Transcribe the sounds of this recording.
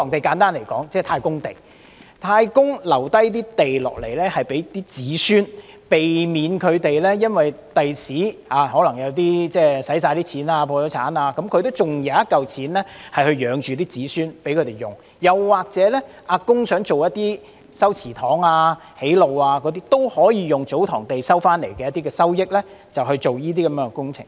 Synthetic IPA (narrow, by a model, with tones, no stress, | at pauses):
ɔ˨˩ŋt̪e˨jkaː˨˥nt̪aː˥nle˨˩jkɔː˨˥ŋt͡sɛː˥˩t̪ʰaː˧jkʊ˥ŋt̪e˨˩j | t̪ʰaː˧jkʊ˥ŋlɐ˨˩wt̪ɐ˥jt̪iː˥t̪e˨jlɔ̰ː˨k̚le˨˩jlɛː˥hɐ˨jpe˨˥jt̪iː˥t͡siː˨˥syː˥n | pe˨jmiː˨˧nkʰɵ˨˧t̪e˨jlɛ˥jɐ˥nwɐ˨j | t̪ɐ˨jsiː˨˥aː˨˧hɔː˨˥lɐ˨˩ŋjɐ˨˧wt̪̬iː˥t͡sɛː˥sɐ˨˥jsaː˧jt̪iː˥t͡sʰiː˨˥naː˧pʰɔː˧t͡sɐ˨˧˥t͡sʰa̰ː˨˥naː˧kɐ˨˥mkʰɵ˧t̪o˥wt͡sʊ˨ŋjɐ˨˧wɐ˥t̚kɐ˨wt͡sʰiː˨˥nlɛː˥hɐ˨jhɵ˧ɥjœː˨˧ŋt͡ʃyː˨˩t̪iː˥t͡siː˨˥syː˥npe˨˥jkʰɵ˨˧t̪e˨˩jʊ̰˨˩ŋ | jɐ˨˩wːaː˨˩k̚t͡sɛ˨˥lɛ˥ | ʔaː˧kʊ˥ŋsœː˨˥ŋt͡so˨wjɐ˥t̚t̪iː˥ | sɐ˥wt͡sʰiː˨˩t̪ʰɔː˨˥ŋaː˧he˨˥jlo˨waː˧kɔː˨˥t̪iː˥t̪o˥whɔː˨˥jiː˨˧jʊ˨ŋt͡so˨˥wt̪ʰɔ̰ː˨˩ŋt̪e˨jsɐ˥wfaː˥nle˨˩jkɛ˧jɐ˥t̪iː˥kɛː˧sɐ˥wjɪ˥k̚lɛ˥ | t͡sɐ˨wɦɵ˧ɥt͡so˨wjiː˥t̪̬iː˥kɐ˨mjɛː˧˥ŋɛ˧kʊ˥ŋt͡sʰɪ̰˨˩ŋ